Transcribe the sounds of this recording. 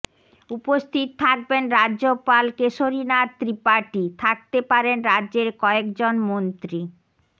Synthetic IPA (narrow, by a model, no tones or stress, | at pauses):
upost̪ʰit̪t̪ʰak̚benɾadopalkeʃoɾinaɾt̪ɾipaʈit̪ʰak̚t̪epaɾenɾadʑeɾkɔekd͡ʑonmont̪ɾi